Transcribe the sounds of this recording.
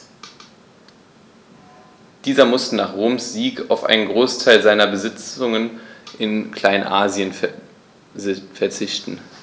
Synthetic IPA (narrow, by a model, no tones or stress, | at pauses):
d̥iːzɐmʊstənaːχʁoːmsz̥iːka̰ʊfʔa̰ɪnənɡʁoːstʰaɪlzaɪnɐbəzɪt͡sʊŋənʔɪnkl̥aɪnʔaːzjən | fɛɐt͡sɪçtn̩